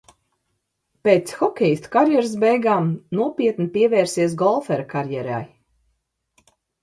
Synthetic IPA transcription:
peːt̪sxɔkʲɛjist̪kaɾjɛɾs̬bɛjɡaːmnuɔpiɛt̪nipʲiɛvɛːɾsiɛs̬ɡɔlˠfɛɾakaɾjɛɾa̰j

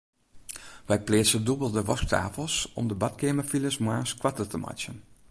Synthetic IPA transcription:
ʋɛjpleːsədubəlˠdəʋɔsk̚tʰa̰ːfəlˠsɔ̰mdəbɑtkeːməfiləsmaːskwatətəmʔa̰t͡ʃjən

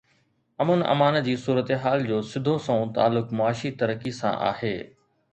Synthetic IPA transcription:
ɐmənɐ̰maːnəd͡ʑiːsuːɾət̪eɦaːld͡ʑoːsɪd̪ʱosõt̪a̰ːlːʊkmʊaːʃit̪ɐɾəkisã̰ʔa̰ːheː

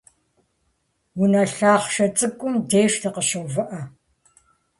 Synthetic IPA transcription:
wʊnɐɬaːχʃɐt͡sʼɨkʷʼʊmdeːʂtɨqəɕovɐʔɐ

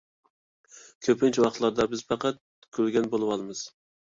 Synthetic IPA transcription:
kʲʰøpʰɪnt͡ʃʰɛwɑχt̪lˠɑɾd̪ɑbɪzfʰɑqɑt̪̚ | kʲʰølɡʲɛnbolˠɨwɑlˠmɨz̥

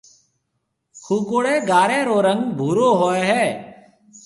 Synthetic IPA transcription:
kʰuːkoːɽeːɡaːɾeːɾoːɾə̃ŋɡbʱuːɾoːɦoːeɦɛː

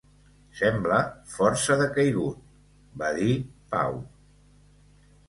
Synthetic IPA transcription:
sɛmbləfɔɾsəðəkəjɣut̪̚ | baðipa̰w

